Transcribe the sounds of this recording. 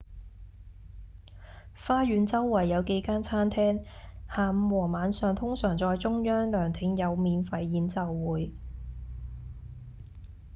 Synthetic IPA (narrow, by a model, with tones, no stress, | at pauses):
faː˥jyː˨˧nt͡sɐ˥wːɐ˨˩jːɐ˨˧wke˨˧jkaː˥nt͡sʰaː˥nt̪ʰɛː˥ŋhaː˨m̩˧wɔː˨˩maː˨˥nsœː˨˧ŋt̪ʰʊ˥ŋsœː˨˩ŋt͡sɔː˧jt͡sʊ˥ŋjœː˥ŋlœː˨˩ŋt̪ʰɪ˨˥ŋjɐ˨˧wmiː˨nfɐ˨˧jːiː˨˥nt͡sɐ˨wwuː˨˥j